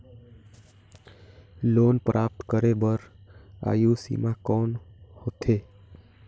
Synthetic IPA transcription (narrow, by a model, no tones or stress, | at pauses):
lonpɾʔaːp̚t̪kəɾebəɾa̰ːjusḭmakɔnhoːt̪ʰe